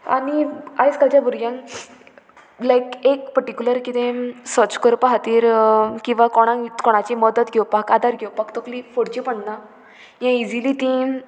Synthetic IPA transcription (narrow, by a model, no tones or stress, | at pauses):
a̰niajskad͡ʑjabʱuɾɡjãŋ | lajkekpəɾʈikʲuləɾkit̪ẽsɔt͡ɕkəɾpaɦat̪iːɾkĩw̃ʋakɔɽ̃ãkɔɽ̃at͡ɕiməd̪ət̪ɡʱewpakad̪aɾɡʱewpakt̪oklifoɽt͡ɕipəɳna | jãid͡zilit̪ĩ